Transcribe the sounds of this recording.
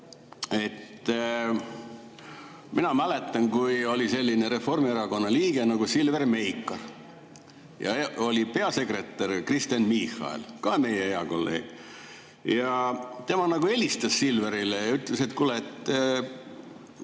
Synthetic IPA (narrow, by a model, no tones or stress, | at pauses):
e̞t̪ː | minɑmæle̞t̪ːˑɑnkujolʲise̞lʲːineɾe̞fo̞rmieɾɑko̞nːɑliːɡ̥e̞nɑɡusilverme̞jkːˑɑr | jɑ̰o̞lʲipe̞ɑse̞kre̞t̪ːˑærkrist̪jɑnmihɑ̰ḛlkɑme̞jeeɑko̞lːḛːɡ̥ | jɑt̪e̞mɑnɑɡue̞lʲist̪ɑsːilveɾilejɑyt̪ˑlese̞t̪kulːet̪ː